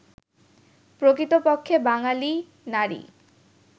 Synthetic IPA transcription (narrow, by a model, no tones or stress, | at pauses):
pɾokɾit̪opokʰːebaŋali | naɾḭ